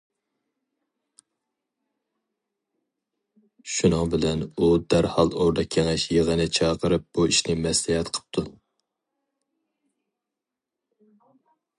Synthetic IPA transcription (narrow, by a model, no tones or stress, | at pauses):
ʃunɨŋbɪlɛnud̪æɾhɑlˠoɾd̪ɑkʲʰːeŋɛʃjəʁənɪt͡ʃʰɑːqʰəɾɨp̚b̥uiʃnɪmɛslɛhɛt̪qʰə̥p̚t̪ʰu